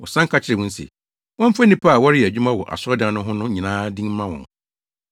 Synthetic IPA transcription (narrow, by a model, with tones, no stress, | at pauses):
wɔ̰˨sã˦ŋkʰa˦t͡ɕʰɪ˨ɾɪ˨wʊ̃˦n̩˦sɛ̰˨ | wɔ̃˦m̩˦fa˦nĩ˦pʰa˦˨wɔ˦ɾɪ˦jæ˨d͡ʑᶣu˦mã˦wɔ˨ʔa̰˨sɔ˦dã˨˦nʊ̃˦ɦʊ̃˦nʊ̃˦ɲĩ˨nãː˦dĩ˦ŋ˦mã˦wɔ̰̃˨n